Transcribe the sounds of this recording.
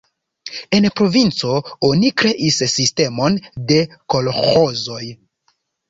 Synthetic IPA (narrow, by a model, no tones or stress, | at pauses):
e̞npɾo̞vint͡so̞onikɾe̞ʔisːiste̞mo̞nde̞ko̞lxo̞zo̞j